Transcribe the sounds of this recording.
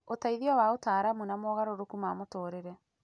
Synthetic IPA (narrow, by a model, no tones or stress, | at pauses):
otaiðiɔwaotaːɾamunamɔːɣaɾoɾokumaːmotoːɾeɾɛ